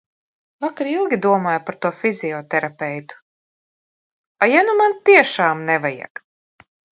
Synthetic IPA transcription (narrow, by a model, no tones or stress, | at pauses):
vakaɾilˠɡʲid̪uɔmaːjpaɾt̪uɔfizʲiɔt̪ɛɾapɛjt̪u̥ | ajanumant̪iɛʃaːmnɛvaja̰k